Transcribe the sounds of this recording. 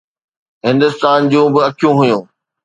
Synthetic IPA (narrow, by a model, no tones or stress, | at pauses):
ɦɪ̃nd̪ʊst̪aːnd͡ʑũbɪɐkʰijũɦʊjũː